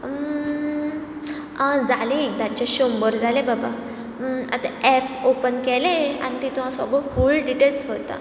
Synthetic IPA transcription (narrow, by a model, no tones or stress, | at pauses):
ə | ãd͡zalid̪ãt͡ɕaɕombəɾd͡zalebaba | a̰t̪aɛp̚opənkɛlẽa̰nit̪it̪uɦãsɔ̰ɡɭɔfuːlɖiʈelsfəɽt̪a̰